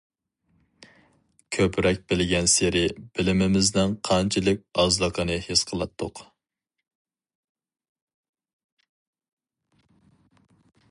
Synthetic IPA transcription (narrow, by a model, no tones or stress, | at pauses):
kʲʰøpʰɾɛk̚ʲbɪlɪɡʲɛnseɾɪb̥ɪlɪmɪmɪznɪnqʰɑnt͡ʃʰɪlˠɨk̚ʲɑzlˠəqʰənɨhesqʰəlˠɑt̪ʰːʊq